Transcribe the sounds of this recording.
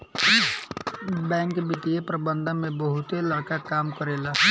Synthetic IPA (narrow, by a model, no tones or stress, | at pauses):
bɛ̃ːŋkbɪt̪iepɾəbə̃nd̪ʱəmẽbəɦʊt̪elaɽkakaːmkəɾela